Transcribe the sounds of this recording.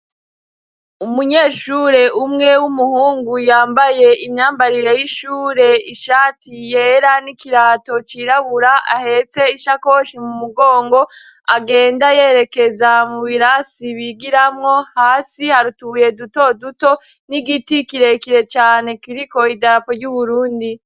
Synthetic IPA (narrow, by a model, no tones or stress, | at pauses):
umuɲeːʃuɾe̞ʔumŋe̞wumuhuːŋɡujaːmbaje̞imɲaːmbaɾiɾejiʃuːɾe̞iʃaːtijeɾanikiɾaːto̞t͡ʃiɾaβuɾaʔa̰he̞t͡se̞iʃako̞ʃimumuɡo̞ːŋɡo̞ | aɡe̞ːndaje̞ːɾe̞ke̞zamuβiɾasiβiɡiɾamŋo̞haːsihaɾutuje̞duto̞duto̞ | niɡitikiɾe̞kiɾe̞t͡ʃaːne̞kiɾiko̞idaɾapoɾɟuβuɾuːndi